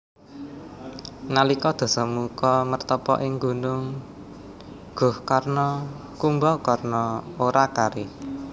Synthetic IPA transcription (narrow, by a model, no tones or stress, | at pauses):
nalikɔd̪̥ɔ̤sɔmukɔmərt̪ɔpɔ̰ʔɪŋɡṳnʊŋ | ɡ̥ʊ̤hkarnɔ | kumbɔkarnɔoɾakaɾɪ